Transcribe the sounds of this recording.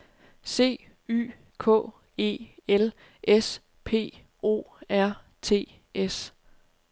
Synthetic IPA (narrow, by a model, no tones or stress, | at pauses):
se̝̰ː | y̰ː | kʰɔ̰̽ː | e̝̰ːel | ʔes | pʰe̝̰ː | o̝̰ːæɐ̰ | t͡sʰe̝̰ː | ʔes